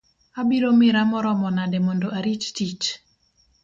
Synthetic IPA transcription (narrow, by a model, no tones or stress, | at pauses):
abiɾomɪɾamɔɾɔmɔnadɛmɔndoʔaɾit͡ʃtit͡ʃ